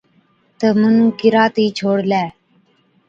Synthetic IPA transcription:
t̪əmənũːkɪɾaːt̪iːt͡ʃʰoːɽlɛː

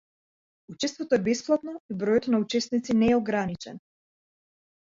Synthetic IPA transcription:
ut͡ʃɛst̪vɔt̪ɔɛbɛsplˠat̪nɔibɾɔjɔt̪naut͡ʃɛst̪nit̪sinɛːɔɡɾanit͡ʃɛ̰n

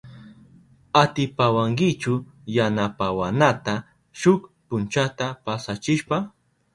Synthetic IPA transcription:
at̪ɪpawaŋkɪt͡ʃʊ | janapawanat̪a | ʃʊkpʊnt͡ʃat̪apasat͡ʃɪʃpa

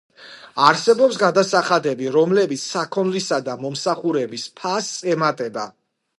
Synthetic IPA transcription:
aɾsɛbɔpsɡad̪asaχad̪ɛbiɾɔmlɛbit̪sʰsakʰɔnlisad̪amɔmsaχuɾɛbispʰasʼɛmat̪ʼɛba

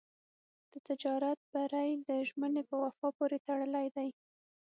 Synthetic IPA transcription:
d̪̥ət̪ɪd͡ʒɑɾat̪̚baɾajd̪əʒmənepəwafɑpoɾet̪aɽəlajd̪aj

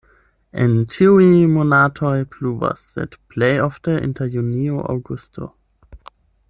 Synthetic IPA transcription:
ʔɛ̃nt͡ʃʰiwimonatʰɔɪpʰluvə̰sðɛ̰tpʰleɪɔfdəɪ̰̃ntʰəjunioʔa̰ɡustʰo̰

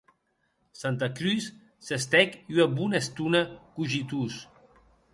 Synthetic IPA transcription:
sant̪akɾys | sest̪ɛkyabunest̪unakuʒit̪us

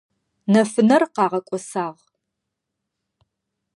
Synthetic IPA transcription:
nɐfɨnɐrqɑːʁɐkʷʼɔsaːʁ

